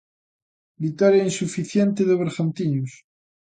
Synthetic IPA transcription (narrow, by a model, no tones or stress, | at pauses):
bit̪aɾjainsufiθjent̪eðeβeɾɣant̪iɲus